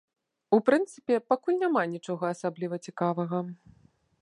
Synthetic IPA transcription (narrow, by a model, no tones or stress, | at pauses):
upɾɨnt̪sɨpʲɛpakulʲnʲamanʲit͡ʂɔɣɐːsablʲivɐt͡sʲikavɐɣɐ